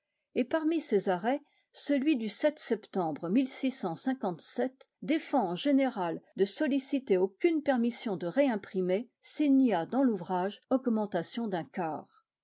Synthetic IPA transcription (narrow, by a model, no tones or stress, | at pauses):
epaʁmisezaʁɛ | səlɥid̪ysɛt̪sɛpt̪ɑ̃bʁəmilsisɑ̃sɛ̃kɑ̃t̪sɛt̪ | d̪efɑ̃ɑ̃ʒeneʁald̪əsɔlisit̪eokʲynpɛʁmisjɔ̃d̪əʁeɛ̃pχimesilniad̪ɑ̃luvʁaʒɔɡmɑ̃t̪asjɔ̃d̪ɛ̃kaːʁ